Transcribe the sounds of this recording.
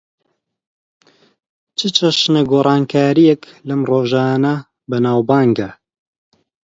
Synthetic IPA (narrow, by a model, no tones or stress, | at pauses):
t͡ʃʰɨt͡ʃʰɐʃnɐɡoːrˤɑːnkʰaːɾijɛklɐmroːʒaːnɐ | bɨnaːwbaːŋɡɐ